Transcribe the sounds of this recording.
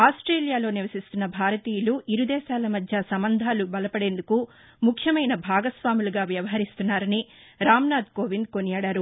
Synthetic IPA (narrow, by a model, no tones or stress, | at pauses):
aːsʈɾeːlijaːlo̞ːniʋɐsist̪unːɐbʱaːɾɐt̪iːjuluʔiɾud̪ɛːʃaːlɐmɐd̪ʱjasɐmbɐnd̪ʱaːlubɐlɐpɐɽe̞ːnd̪uku | mukʰjɐmɐjnɐbʱaːɡɐsʋaːmuluɡaːʋjɐʋɐɦɐɾist̪unːaːɾɐniɾaːmnaːd̪koːʋind̪̚konijaːɽaːɾu